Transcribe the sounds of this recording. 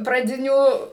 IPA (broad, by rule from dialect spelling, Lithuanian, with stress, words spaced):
prɐˈdʲɪnʲuː